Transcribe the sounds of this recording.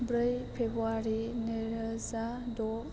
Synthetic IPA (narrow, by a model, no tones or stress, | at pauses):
bɾəjpʰebuaɾineɾəzadɔ